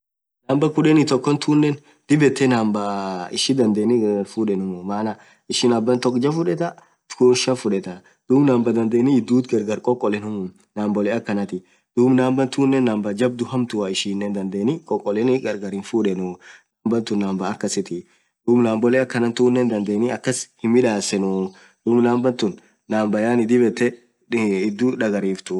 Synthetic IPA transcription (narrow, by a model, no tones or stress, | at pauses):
naːmbɐkʊᶑɛnɪt̪ɔkːɔnt̪ʰuːnːɛn | d̪̥ɪbɛt̪ːɛnaːmbaɪʃɪd̪ɐnd̪eːnɪɡɐɡɐɾfuːᶑɛnʊmʊmaːnɐ | ɪʃɪnɐbːɐnt̪ɔkːd͡ʒɐfʊᶑɛt̪ɐ | t̪kuʃɐfʊᶑɛt̪ɐ | d̪̥uːbnaːmbɐd̪ɐnd̪eːnɪɪd̪ːuːt̪ɡɐɾɡɐɾkʼɔkʼːɔlɛnʊmʊ | naːmbɔlɛɐkːɐnɐt̪ɪ | d̪̥uːbnaːmbɐnt̪uːnːɛnːaːmbɐd͡ʒɐb̚d̪ʊhɐmt̪ʊwaɪʃiːnːɛnd̪ɐnd̪eːnɪkʼɔkʼːɔlɛnɪɡɐɾɡɐɾɪnfuᶑɛnʊnaːmbɐnt̪ʊnːaːmbɐːkːɐsɪt̪ɪ | d̪̥uːbnaːmbɔlɛɐkːɐnɐnt̪uːnːɛnd̪ɐnd̪eːniɐkːɐshɪmːɪᶑaːsɛnʊ | d̪̥uːbnaːmbɐnt̪ʊnː | aːmbɐjaːnɪd̪ɪbɛt̪ːɛ | ɪd̪ːuːᶑɐɡɐɾiːft̪ʊ